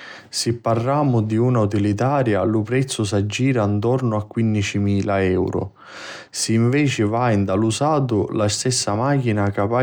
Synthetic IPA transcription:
sipːarːaːmʊd̪iunaut̪̬ilit̪̬aːɾjalʊpɾɛt̪sːʊs̬ad͡ʒːiːɾant̪ɔrnʊakːwinːit͡ʃimiːlaɛwɾʊ̰ | siːɱvɛːt͡ʃɪvajnd̪alusaːt̪ʊlast̪ɛsːamaːkinakapa

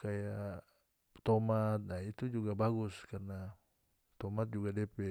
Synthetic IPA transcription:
kaja | t̪ɔmat̪̚nait̪ud͡ʒuɡabaɡuskarna | t̪ɔmat̪̚d͡ʒuɡadɛpɛ

